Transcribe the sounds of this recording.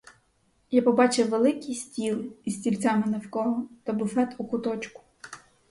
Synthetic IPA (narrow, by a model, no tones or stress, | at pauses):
japɔbɑt͡ʃɪwʋelˠɪkʲisʲtʲilˠɪisʲtʲilʲt͡sʲamɪnɐwkɔɦɔt̪ɐbʊfɛt̪ukʊt̪ɔt͡ʃkʊ̥